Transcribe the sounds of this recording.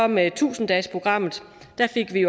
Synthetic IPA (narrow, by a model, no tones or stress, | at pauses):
ɒ̽met͡sʰṵːsn̩d̥ɛːspʰʁo̝ɡ̥ʁɑ̈m̰ð̩ˠ | d̥æfe̝ɡ̥ʋijo̝